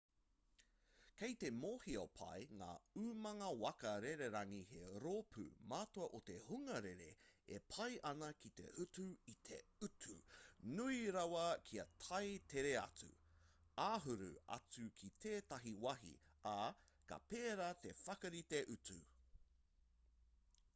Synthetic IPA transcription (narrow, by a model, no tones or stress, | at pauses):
kejt̪e̞moːhiopʰɐ̰jŋa̰ːʉmɐŋɐwɐkɐɾeɾeɾɐŋiheɾopʰʉ̰maːtoɐʔot̪e̞huŋɐɾeɾe̞̰epʰɐjʔɐnɐkit̪e̞̰ʔʉtuit̪ʰḛʉtʰunuiɾɐwɐkʰiɐt̪ʰɐjtʰeɾeɐ̰t͡sʉ̰ | aːɦʉɾʉ̰ɐ̰t͡sʉkʰit̪ʰeːt̪ɐɦiwɐɦḭakɐ̰peːɾat̪e̞fɐkɐɾit̪eʔʉt͡sʉ̰